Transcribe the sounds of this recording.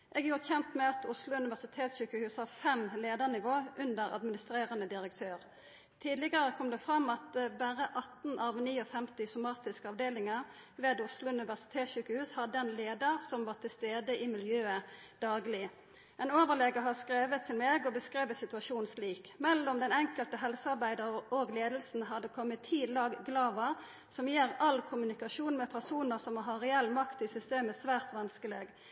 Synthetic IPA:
ʔɛːɡjuːʁçɛnt̪mɛɑt̪ʊslʊʉnɪʋæʁsɪt̪ʰeːt̪sɕyːkəhʉːshɑːfɛmleːd̪əʁnɪʋoːʔʉnd̪əɾɑ̰d̪mɪnɪst̪ɾeːʁənəd̪ɪɾək̚t̪ʰøːʁ | t̪ʰiːd̪lɪɡəʁəkʰɔmd̪ɛfʁɑmːɑt̪bæʁəʔɑt̪n̩ʔɑʋniːɔfɛmt̪ɪsʊmɑːt̪ɪskəɑʋd̪eːlɪŋəʁ | ʋeːd̪ʊslʊʉnɪʋæsɪ̥t̪ʰeːt̪sɕyːkəhʉːshɑd̪ɛnleːd̪əʁsɔmʋɑːt̪ʰɪlst̪eːd̪əʔɪmɪljøːə | d̪̥ɑːɡlɪ | ɛnoːʋəʁleːɡəɦɑskʁeːʋət̪ʰːɪlmeːɡɔbəskʁeːʋəsɪt̪ʉɑʃuːnsliːkmɛlːɔmd̪ɛnɛŋkəlt̪əɦɛlsəɑʁbæɪd̪əʁəoːɡleːd̪l̩sn̩ɦɑd̪ɛkʰɔmːət̪ʰːiːlɑːɡɡlɑːʋəʁ | sɔmjeːʁɑlkʰʊmʉnɪkɑʃuːnmɛpʰæʁsuːnəʁsɔmɦɑʁɛɛlːmɑkt̪ɪsʏst̪eːməsʋæːʁt̪ʋɑnskəleːɡ

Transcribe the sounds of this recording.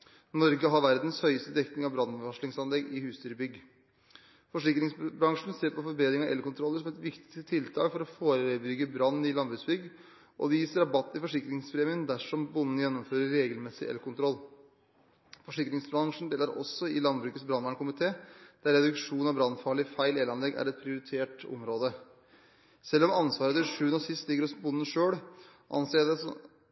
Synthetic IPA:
nɔɾɡəɦɑɾʋæɾd̪n̩shœʏəst̪əd̪ɛkt̪ɪŋɑʋbɾɑnːʋɑʂɭɪŋsɑnlɛɡɪhʉːst̪yːɾbʏɡ | fɔʂɪkɾɪŋsbɾɑŋʂɳ̩seːɾpʰɔfɔɾbeːd̪ɾɪŋɑʔɛlkʊnt̪ʰɾɔlːəʂ̬ɔmɛt̪ʋɪkt̪ɪ̥sət̪ʰɪlt̪ʰɑːkfɔɾɔfoːɾəbʏɡːəbɾɑnːɪlɑnbɾʉːsbʏɡ | ʔɔ̰djiːsəɾɑbɑt̪ːɪfɔʂɪkɾɪŋspʰɾeːmɪənd̪æʂɔmbʊnːnəjɛnːɔmføːɾəɾɾeːɡəlmɛsɪʔɛ̰lkʰʊnt̪ʰɾɔlː | fɔʂɪkɾɪŋsbɾɑŋʂn̩d̪eːləɾʔɔ̰sːɔɪlɑnbɾʉːkət̪sbɾɑnʋɑːɳkʊmɪt̪ʰeːd̪̥æɾːɛd̪ʉkʂuːnɑbɾɑnfɑɭəɪfæɪleːlɑnlɛɡæ̰ɾɛt̪̚pʰɾɪʊɾɪt̪ʰeːʈɔ̰mɾoːd̪ə | sɛlːɔmɑnsʋɑːɾət̪ɪlʂʉːənɔsɪst̪lɪɡəɾɔsmbʊnːən̩ʂøːɽ | ʔɑ̰nseːd̪ɛsɔ̰

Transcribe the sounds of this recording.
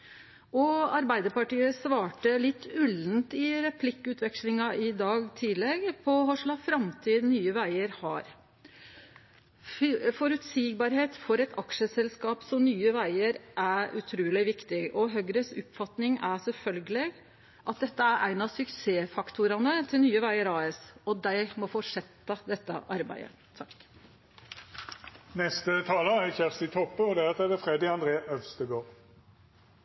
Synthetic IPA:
ɔɑɾbæɪd̪əɾpɑʈiːəsʋɑːʈəlɪt̪ːʉln̩t̪ɪɾɛpʰlɪkːʉːt̪ʰʋɛkʂlɪŋɑʔɪd̪ɑːɡt̪ʰiːlɛɡpʰɔɦɔʂlɑfɾɑmt̪ʰiːd̪nyːəʋæɪəɾhɑ̰ɾ | fɔɾʉt̪siːɡ̚bɑɾheːt̪fɔɾɛt̪ʰɑkʂəsɛlskɑːpsɔmnyːəʋæɪəɾʔæʔʉ̰t̪ʰɾuːlɪʋɪkt̪ɪɔɦœɡɾəsʊpfɑt̪nɪŋæsɛlfœlɡəleːɡ | ʔɑt̪̚d̪ɛt̪ːəæɾʔæɪnɑsʉkseːfɑkt̪ʊɾɑnət̪ʰɪlnyːəʋæɪəɾɑːɛsɔd̪æɪmɔfoʂɛt̪ːɑd̪ɛt̪ːə̰ʔɑɾbæ̰ɪə̰ | t̪ʰɑk | nɛst̪ət̪ʰɑːləæçæʁst̪ɪt̪ʰɔpːəɔd̪ɛæɑt̪ɛd̪ɛfʁeːd̪ɪɑnd̪ʁeːʔœlst̪əɡoːʁ

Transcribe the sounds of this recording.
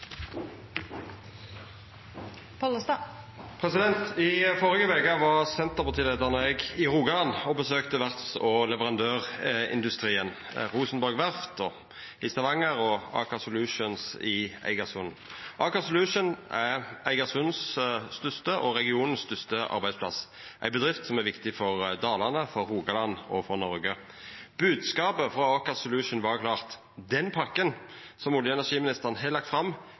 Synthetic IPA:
pʰɔləst̪ɑ | pʰʁɛsɪd̪ɛnt̪ɪfɔʁɪɡəʋeːkəʋɑʁsɛnt̪əʁpɑʁt̪ʰiːlɛt̪əʁnəɛɡɪʁuːɡɑɑnɔbəsøːkt̪əʋæʁt̪sɔlɛʋəʁɑnd̪øːʁɪ̰nd̪ʉst̪ʁiːənʁuːsn̩bɔʁɡʋæʁft̪ʰɔ | ɪst̪ɑʋɑŋːəɾɔɑ̰ːkɑsʊlʉʃənsɪæ̰ɪɡɑsʉn | ʔɑːkɑsʊlʉʂənææɪɡɑsʊnsst̪ʏst̪əʔɔɾɛɡɪuːnən̩sst̪ʏst̪əʔɑ̰ɾbæɪspʰlɑ̰s | ʔæɪbəd̪ʁɪft̪sɔmæɾʋɪkt̪ɪfɔʁd̪ɑːlɑʁnəfɔɾːuːɡɑlɑnɔfɔʁnɔɾɡə | b̥ʉːd̪skɑːpəfʁɔɑːkɑsʊlʉʂənʋɑʁkʰlɑːʁt̪ | d̪ɛnpʰɑkːənsɔmʊljəɛnæɾʂiːmɪnɪst̪əʁənɦɛlɑk̚t̪fɾɑmː

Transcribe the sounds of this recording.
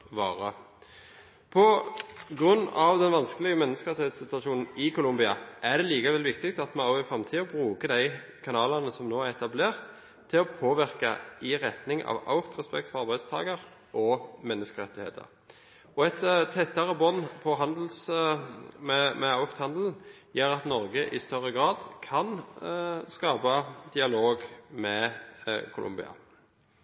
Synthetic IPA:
ʋɑːʁə | pʰɔɡʁʉnːɑʋd̪ɛnʋɑnskəlɪɡəmɛnːəskəʁɛt̪ːɪheːt̪sɪt̪ʋɑʃuːnn̩ɪkʰʊlʊmbɪɑʔæd̪ɛliːkɑʋɛlʋɪkt̪ɪkt̪ɑt̪mɑɑʊɪfɾɑmt̪ʰiːɔbʁʉːkəd̪æɪ | kʰɑnɑːlɑnəsɔmnoːæɾɛt̪ɑbleːʁt̪ʰː | ɪlɔpʰoːʋɪʁkɑ̰ɪʁɛt̪nɪŋʔɑ̰ʋɑ̰ʊkt̪ʁɛspɛk̚t̪fɔɾɑʁbæɪd̪st̪ʰɑ̰ːɡəʁ | ʔɔmɛnːəskəʁɛt̪ːɪhḛːt̪ʰə̰ʁ | ɔɛt̪t̪ʰːɛt̪ːɑʁəbɔnːpʰɔɦɑnd̪l̩s | mɛmɛɑʊkt̪hɑnd̪l̩n̩ | jeːɾɑt̪nɔʁɡəʔɪst̪œʁəɡʁɑːd̪kʰɑn | skɑːpɑd̪ɪɑloːɡmɛ | kʰʊlʊ̰mbɪ̰ɑ̰

